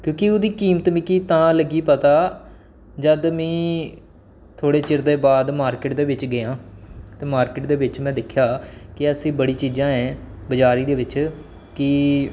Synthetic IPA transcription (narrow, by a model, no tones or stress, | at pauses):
kjõːkɪʊd̪iːkiːmət̪mɪkiːt̪ãːləɡiːpət̪aː | d͡ʒəd̪mɛ̃ː | t̪ʰoːɽeːt͡ʃɪɾd̪eːbaːd̪maːɾkɪʈd̪eːʋɪt͡ʃɡəjãːt̪eːmaːɾkɪʈd̪eːʋɪt͡ʃmɛ̃ːd̪ɪkʰjaːkɪəsĩːbəɽiːt͡ʃiːzãːɛ̃ːbəd͡ʒaːɾiːd̪eːʋɪt͡ʃ | kɪ